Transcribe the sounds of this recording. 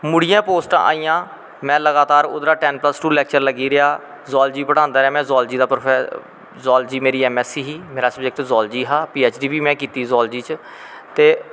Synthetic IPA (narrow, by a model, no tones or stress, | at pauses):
mʊɽijãːpoːsʈã̰ːʔa̰ːiːjãː | mɛ̃ːləɡaːt̪aːɾʊ̰d̪ɾaːʈɛːnpləsʈuːlɛːk̚t͡ʃəɾləɡiːɾɪaː | zɔːld͡ʒiːbəɽ̃ãːnd̪aːɾɪaːmɛ̃ːzɔːld͡ʒiːd̪aːpɾoɛ | zɔːld͡ʒiːmeːɾiːɛːmɛːsiːɦiːmeːɾaːsəbd͡ʒek̚ʈzɔːld͡ʒiːɦaːpiːeːt͡ʃɖiːbiːmɛ̃ːkiːt̪iːzɔːld͡ʒiːt͡ʃ | t̪eː